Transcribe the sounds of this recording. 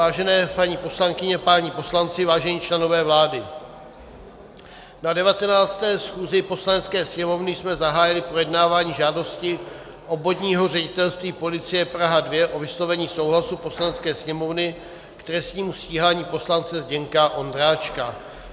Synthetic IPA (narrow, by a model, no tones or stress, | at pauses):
aːʒɛnɛːpaɲiːpo̞slaŋkɪɲɛpaɲipo̞slant͡sɪvaːʒɛɲiːt͡ʃlɛno̞vɛːvlaːdɪ | nadɛvat̪ɛnaːt͡st̪ɛːsxuːzɪpo̞slanɛt͡skɛːsɲɛmo̞vnɪjsmɛzaɦaːjɪlɪpɾo̞jɛdnaːvaːɲiːʒaːdo̞scɪ | ʔo̞bod̪ɲiːɦo̞rɛɟɪt̪ɛlst̪viːpo̞lɪt͡sɪjɛpɾaɦadvjɛʔo̞vɪslo̞vɛɲiːso̞wɦlasupo̞slanɛt͡skɛːsɲɛmo̞vnɪ | kt̪ɾɛst̪ɲiːmusciːɦaːɲiːpo̞slant͡sɛzɟɛŋkaʔo̞nd̪ɾaːt͡ʃka